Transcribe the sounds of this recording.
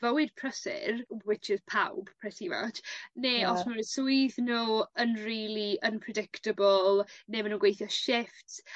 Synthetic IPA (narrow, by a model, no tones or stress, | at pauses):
vəwɪd̚pʰr̥əsɪ̰ɾwɪt͡ʃʰəzpʰa̰wb̥pʰrɛsiva̰t͡ʃneːɔsmaɾəsʊɨθnuənriːlˠiʔənpʰrɛdɪktəbɔlˠneːmanuːnɡwejθjɔʃɪft